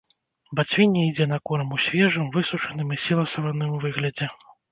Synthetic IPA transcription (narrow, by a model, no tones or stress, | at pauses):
bat͡sʲvʲinʲɛid͡zʲɛnɐkɔɾɐmusʲvʲɛʐɨmvɨsut͡ʂɐnɨmisʲilˠɐsɐvɐnːɨmvɨɣlʲɐd͡zʲɛ